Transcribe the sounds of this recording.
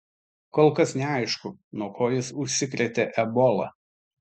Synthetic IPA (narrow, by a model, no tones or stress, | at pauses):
koːlˠkɐsnʲɛɑɪʃkʊnuɔkʰoːjɪsʊʃʲsʲɪkɾʲɛt̪ʲeʔɛbɔlˠɐ̰